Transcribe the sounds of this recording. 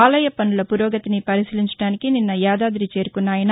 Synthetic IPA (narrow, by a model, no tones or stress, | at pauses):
aːlɐjɐpɐnːulɐpuɾɔːɡɐt̪inipɐɾisiliɲt͡ʃɐ̥ɽaːnikininːɐjaːd̪aːd̪ɾit͡ʃe̞ːɾukunːaːjɐn